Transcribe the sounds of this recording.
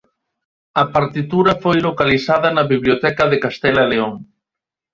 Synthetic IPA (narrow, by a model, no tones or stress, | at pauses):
ɐpaɾt̪it̪uɾɐfojlokalisaðɐnɐβiβljot̪ɛkɐðekast̪ɛlaleoŋ